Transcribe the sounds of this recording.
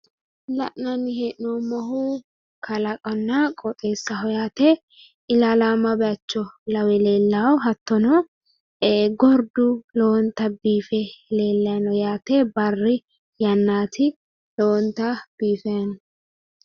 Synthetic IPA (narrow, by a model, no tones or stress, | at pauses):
lɐʔnɐnːɪheʔnomɔɦu | kʰɐlɐkʼɔnːɐkʼɔt̪ʼeːsːɐhɔjaːt̪ɛ | ɪlalaːmɐbɛɐt͡ʃːɔlɐwɛleːlːawɦɐt̪ːɔnɔ | ɡɔɾd̪ʊloːnt̪ɐbiːfɛle̞ːlːɐjɐnɔjaːt̪ɛbɐrːɪ | jɐnːaːt̪ɪ | loːnt̪ɐb̥iːfɛjɐnɔ